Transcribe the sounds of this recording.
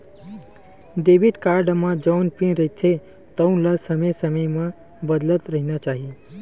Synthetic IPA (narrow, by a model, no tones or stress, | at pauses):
d̪eːbɪʈkaːɾɖəmãd͡ʒɔːnpĩnɾəɦit̪ʰe | t̪əũlasəmesəməjmã | bəd̪lət̪ɾəɦinat͡ʃaːɦie